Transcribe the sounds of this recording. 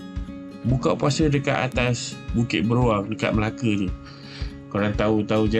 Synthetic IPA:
bukaʔpuasədəka̰ʔa̰t̪asbukɪt̪̚bəɾuaŋdəka̰ʔ̪̚məlakət̪u | kuɾaŋt̪aut̪aud͡ʒa

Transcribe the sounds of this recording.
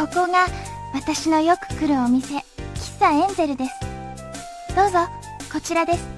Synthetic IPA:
o̞ko̞ɡa | βat̪aɕino̞jo̞kɯ̟̥kɯ̟ɾɯ̟omʲise̞kʲi̥sːaẽ̞nd͡ze̞ɾɯ̟d̪e̞sɨ̥ | d̪̥o̞ːzo̞ | ko̞t͡ɕiɾad̪e̞sɨ̥

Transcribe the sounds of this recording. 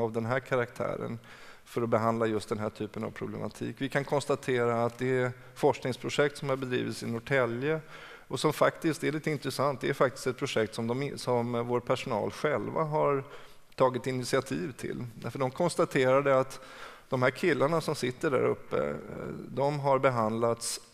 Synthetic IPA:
avd̪ɛnɦæːɾkʰaɾakt̪ʰæ̰ːɾə̰n | fœɾɔbɛɦand̪lajɵst̪d̪ɛnɦæːʈʰyːpəna̰vpʰɾʊblɛ̰mʔa̰t̪ʰḭːkvɪkʰankʰɔnst̪at̪ʰeːɾaːt̪̚d̪ɛæ | fɔʂknɪŋspʰɾʊʂɛk̚t̪sɔmhaɾbɛd̪ɾḭːvɪt̪sɪnʊʈʰɛljə | ɔsɔmfakt̪ɪst̪ɛɭiːt̪əɪnt̪ɾɛsant̪̚d̪ɛːɾfak̚t̪ɪ̥st̪ɛt̪̚pʰɾʊʂɛk̚t̪sɔmd̪ɔmsɔmvoːɾpʰæʂʊnɑ̰ːlɧɛlva̰ɦaɾ | t̪ʰɑːɡɪt̪ɪnɪt̪sɪat̪ʰiːvt̪ʰɪ̰lːd̪æfəɖɔmkʰɔnst̪at̪ʰeːɾaɖɛat̪ | d̪̥ɔmɦæːɾkʰɪlːaɳasɔmsɪt̪ːəɖæ̰ɾɵ̰pːə̰d̪ɔmɦaɾbɛɦand̪lat̪s

